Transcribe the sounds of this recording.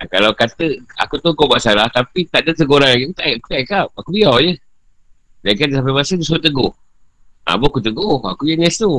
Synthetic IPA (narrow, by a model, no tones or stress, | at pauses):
akalawkat̪əa̰kut̪okobaʔsalaht̪apit̪aʔdat̪əɡoɾanlaɡiakut̪aʔaku̥t̪aʔikap̚akubiawjə | daikandsap̬amasəd̪usuat̪əɡʊh | a̰boakut̪əɡʊha̰kujəŋɛst̪u